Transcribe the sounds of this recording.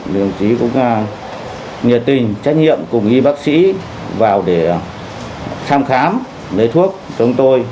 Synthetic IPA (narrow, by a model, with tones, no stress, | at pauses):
lɨ˧˩əŋt͡ɕi˨˦kʊ̰˧˥ŋ͡m | ɲə˨˩t̚t̪ï˨˩ŋ̟t͡ɕa˦˥jk̚ɲḭ˧˨əmkʊ˨˩ŋ͡mʔi˧ɓaː˦˥k̚sḭ˧˥ | vaː˨˩wɗe˧˩ | t̪ʰaː˧mxaː˨˦m | lə˨˦jt̪ʰu˦˥ək̚t͡ɕɔ˨˦ŋ͡mt̪o˧j